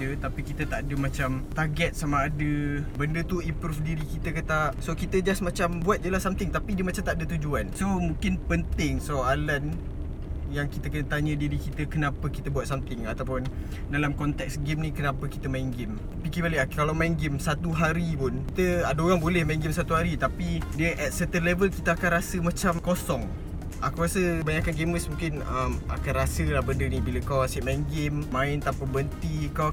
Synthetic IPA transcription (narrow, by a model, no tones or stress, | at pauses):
ət̪apikit̪ət̪aʔadəmat͡ʃamt̪aɡɛt̪̚samaːdəbəndət̪uipɾufdiɾikit̪əkat̪asokit̪əd͡ʒasmat͡ʃambuat̪̚jəlahsamt̪ɪŋt̪apidiəmat͡ʃamt̪aʔdət̪ud͡ʒuansomũŋkɪnpənt̪ɪŋsoalan | jaŋkit̪əkənət̪aɲə̃diɾikit̪əkənapəkit̪əbuat̪̚samt̪ɪŋat̪awpʊn | dalamkɔnt̪ɛk̚sɡemnikənãpəkit̪əmaiŋɡɪm | pikibaliʔalawmaɪnɡɪmsat̪uɦaɾipʊnkit̪əadoɣaŋbolɛhmaiŋɡɪmsat̪uɦaɾit̪apidiəʔɛt̪̚sɛt̪ənlɛvəlkit̪əakanɾasəmãt͡ʃamkosɔŋ | ʔakawɾasəəbaɲakanɡeməsmũŋkɪnəma̰kanrasəlahbəndənibiləkawasiʔmainɡɪmmãɪnt̪apəbənt̪ikaw